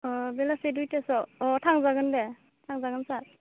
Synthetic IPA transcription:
ɔbelasedujtesɔɔtʰaŋzaɡɯnde | tʰaŋzaɡɯnsat

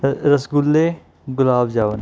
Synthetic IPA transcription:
ɾəsɡʊlːeː | ɡʊlaːbd͡ʒaːʋən

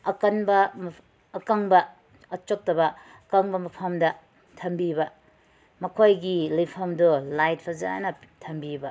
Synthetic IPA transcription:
ɐkɐnbɐmː | kɐŋbɐː | t͡ʃok̚tɐbɐ | ɐkɐŋbɐmɐpʰɐmdɐ | tʰɐmbibɐ | mɐkʰojɡilɐjpʰɐmdulajt̚pʰɐza̰nɐtʰɐmbibɐ

